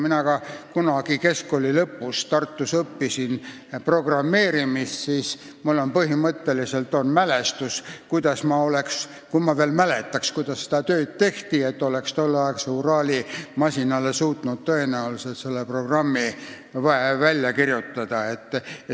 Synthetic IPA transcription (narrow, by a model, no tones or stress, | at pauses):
minɑɡ̥ɑkunɑɡ̥ike̞sko̞lʲilɤpːust̪ɑrt̪ːusɤpːisin | pro̞ɡ̥rɑmːe̞ːɾimissiːs | mulːo̞npɤɦimɤt̪ːe̞lise̞lt̪o̞nmæle̞st̪uskujd̪̥ɑsmɑo̞leks | kumɑveːlmæle̞t̪ːˑɑkskujd̪̥ɑsse̥d̪ɑt̪øːd̪̥̚t̪e̞ht̪ie̞t̪ːo̞le̞kst̪o̞lːeɑekseuɾɑːlʲimɑsʲinɑlːe̞suːt̪ˑnud̪̚t̪ø̞e̞næolset̪se̞lːepro̞ɡ̥rɑmːi | vɑevælʲːjɑkirjut̪ːɑd̪̥ɑe̞t̪ː